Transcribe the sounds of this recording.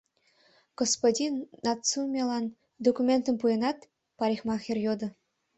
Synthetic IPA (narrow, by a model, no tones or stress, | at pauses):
ɡ̥ospodʲinːɑt̪t͡sumʲelˠɑn | d̪okumʲent̪ə̆mpujɤ̆nɑt̪ | pɑɾʲixmɑxʲĕrʲjod̪ɤ̆